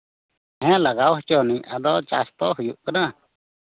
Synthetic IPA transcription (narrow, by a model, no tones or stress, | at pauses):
hɛ̃laɡawɦt͡ʃɔnĩad̪ɔt͡ʃast̪ɔɦujuʔkənã